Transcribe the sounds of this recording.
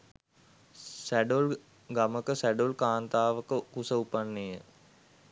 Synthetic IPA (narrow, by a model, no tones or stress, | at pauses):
sæɖol | ɡaməkəsæɖolkaːnt̪aːʋəkəkusəupanːejə